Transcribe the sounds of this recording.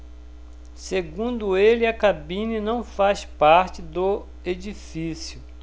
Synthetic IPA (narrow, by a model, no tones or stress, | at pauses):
seɡũnd̪ʊelɪɐkabĩnɐnɐ̃w̃faspaɾt͡ʃɪd̪ʊ | ed͡ʒifisjʊ